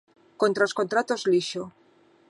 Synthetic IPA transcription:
kont̪ɾaoskont̪ɾat̪ozliʃo

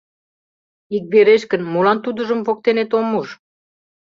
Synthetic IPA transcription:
ik̚beɾeʃkə̆nmulɑnt̪ud̪ə̆ʒə̆mvok̚t̪enet̪omːuʃ

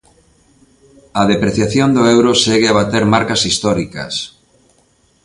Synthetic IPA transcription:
ɐðepɾeθjaθjond̪ʊewɾʊseɣeaβat̪eɾmaɾkɐsist̪ɔɾikɐ̰s

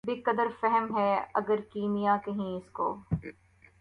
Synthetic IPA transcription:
bekɐd̪əɾfɛɦɛmɦɛːɐ̰ɡəɾkiːmijakɐɦĩɪsko̰ː

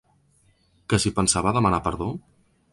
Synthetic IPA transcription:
kəsipənsaβaðəmənapəɾðo

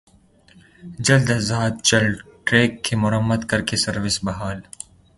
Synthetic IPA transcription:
d͡ʒɐld̪azaːd̪̚t͡ʃɐlʈɾeːkʰːemʊɾɐmːɐd̪kɐɾkesɐɾwɪsbɐɦaːl

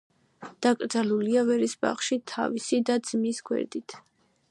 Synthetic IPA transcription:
d̪̥akʼɾd̪zaluliavɛɾisba̰χʃit̪ʰa̰visid̪ad̪z̥misɡwɛ̰ɾd̪it̪ʰ

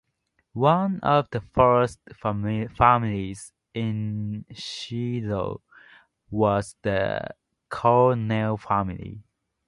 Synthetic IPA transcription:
wʌ̃nɔvðəfɜ˞stfæmɪliz | ɪ̃nʃilo̰ | wɔzðə̰ | kʰɔnelfæmɪlḭ

